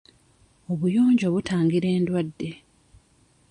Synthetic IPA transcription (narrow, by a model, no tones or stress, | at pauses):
o̞βujoːɲɟo̞βutaːŋɡiɾe̞ːndwadːe̞